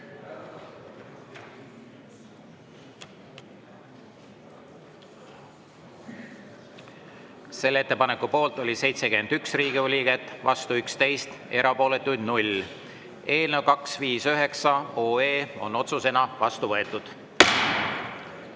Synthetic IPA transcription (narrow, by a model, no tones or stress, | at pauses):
se̞lːee̞t̪ːˑepɑne̞kːupo̞ːlt̪ˑo̞lʲise̞jt̪sekymend̪yksriːɡiolʲiːɡ̥et̪ːˑvɑ̰st̪uykst̪e̞jst̪e̞ɾɑpo̞ːle̞t̪ːˑujd̪nulʲ | e̞ːlnevwkɑksviːsøɦe̞ksɑo̞ːeːo̞̰no̞t̪suse̞nɑvɑst̪uvɤe̞t̪ːˑud̪̥